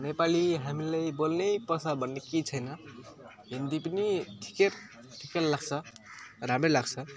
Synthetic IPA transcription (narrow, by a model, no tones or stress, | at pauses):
nepaliɦamilajbolnejpʌsabʌnːekit͡sʰʌjnʌ | ɦend̪ipniʈʰi̥keɾ | ʈʰikeɾlaɡt͡sʰʌɾamelaɡt͡sʰʌ